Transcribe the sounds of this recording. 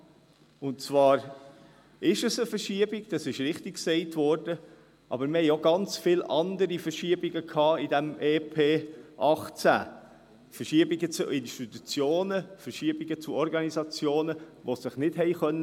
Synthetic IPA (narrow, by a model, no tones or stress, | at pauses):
ʊntt͡svɑːɾ | ɪʃəsəfəɾʃiəbiɡd̥ɑsɪʃɾɪχtikksɛɪtvɔːɾd̥ə | ʔɑ̰bəɾməhɛɪoɡɑnt͡sfɪlʔɑnd̪əɾifəɾʃiəbiɡəkʰhɑːidɛmeːpʰeːʔɑχt͡sæ̰ː | fəɾʃiəbiɡət͡suʔɪnʃtit̪ut͡sjoːnəfəɾʃiəbiɡət͡suɔɾɡɑnizɑt͡sjoːnəʋosɪχnɪd̥ɦɛɪχœnːə